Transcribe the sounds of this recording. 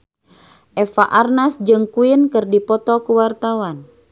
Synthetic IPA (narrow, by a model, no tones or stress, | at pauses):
ʔɛfaʔarnasd͡ʒɨŋkuinkɨrdipɔt̪ɔkuwart̪awan